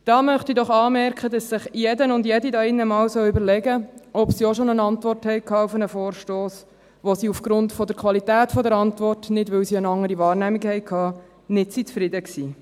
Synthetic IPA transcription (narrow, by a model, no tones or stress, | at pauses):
d̥ɑːmœχtidɔχɑːmɛɾkχədɑsːɪχjɛdənʊndjɛdidɑɪnːəmɑːwsœwybəɾlɛɡəɔpsiɔʃonənɑntʋɔrthɛɪkʰɑːufənəfoːrʃtoːs | ʋosiufɡ̥ɾʊntfɔdəɾkʰʋɑlitæːtfɔdəɾɑntvʋɔrtnɪdʋɪwsiənɑŋːəɾiʋɑːrnæmikhɛɪkʰɑː | nɪtsit͡sfɾɪdəksiː